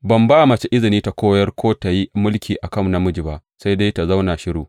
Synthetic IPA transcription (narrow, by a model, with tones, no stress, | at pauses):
bɐ˨mbaː˦˨mɐ˨t͡ʃe˦ʔɪ˦zɪ˨niː˦ta˨kʷoː˦jɐ˦rkʷʰoː˦ta˨ji˦mʊ˦lkʲiː˨ʔa˨kɐ˦˨mna˦mʊ˦d͡ʒɪ˨ba˦ʔsa˦jde˦jta˨za˦wnaː˨ʃɪ˦ɽuː˨